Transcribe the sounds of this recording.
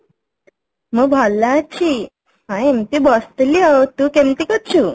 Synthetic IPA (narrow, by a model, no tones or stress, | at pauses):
məɡ̚bʱalːat͡ɕi | hãemt̪ibɔst̪liat̪ukemt̪ikət̪t͡ɕuː